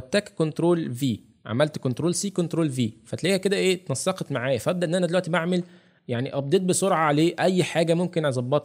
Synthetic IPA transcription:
æt̪ːæːkkont̪ɾoːlviː | ʕa̰mælt̪kont̪ɾoːlsiːkont̪ɾoːlviːfæt̪læːhæked̪æʔeːt̪nɑsːɑqet̪maʕaːjæfʔæb̚d̪æʔenʔænæd̪elwæʔt̪ibaʕmel | jaʕniʔɑb̚d̪eːt̪̚besoɾʕɑʕaleːʔæjːħaːɡæmomkenʕezˤɑbːɑt̪ˤ

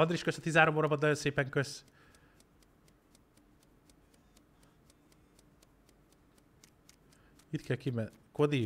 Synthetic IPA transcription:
ɒnd̪riʃkøsɒt̪iːzaːɾomoːɾɒbɒd̪ɒjonseːpɛŋkøs | it̪kɛlkimɛkod̪i

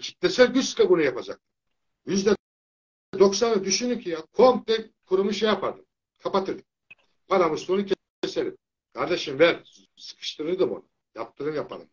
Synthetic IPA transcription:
t͡ʃʰi̥t̪̚nɛsɛlʲɟʲysɨ̥kʰabunujapad͡ʒa̰k̚t̪ʰɯ̥ | jyzd̪ɛ | ɛd̪o̞ksanɯd̪yʃynycʰijakʰom̚t̪ɛkʰuɾumuʃɛjapʰaɾd̪ɯm | kʰapat̪ʰɯɾd̪ɯm | paɾamɯst̪onucʰʲɛ | eseɾip | kʰaɾd̪eʃɯmvæɾ | sɯ̥kʰɯ̥ʃt̪ʰɯɾɯɾd̪ɯmo̰nu | jap̚t̪ʰɯɾɯmjapʰad̪ɯ̰m

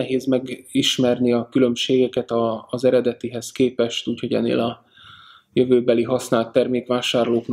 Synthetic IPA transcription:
ɛɦeːzmɛɡiʃmɛrniɒkylø̞mʃeːɡɛkɛt̪ɒːzɛɾɛd̪ɛt̪iɦɛskeːpɛʃt̪uːcho̞ɟɛ̰nːḛːlɒ | jøvøːbɛliɦɒsnaːlt̪ːɛrmeːkʋaːʃaːrloːkn

